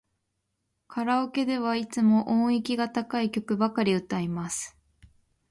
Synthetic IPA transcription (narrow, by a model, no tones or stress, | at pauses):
kʰaɾaoke̞d̪e̞β̞ait͡sɨmo̞ʔõːekʲiɡat̪akaikʲo̞kɯ̟bakaɾʲiɯ̟t̪ːaimasɨ̥